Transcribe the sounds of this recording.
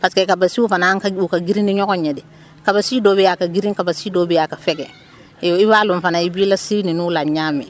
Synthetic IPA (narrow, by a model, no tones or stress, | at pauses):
paskekabasiufanakukaɡiɾĩndiɲɔɡɔɲɛdɪ | kabasidobɛjakaɡiɾĩŋkabasidoːbɛjakafɛɡɛ̰ | oibaːlʊ̃ɱfanaibilasininulaɲamḭ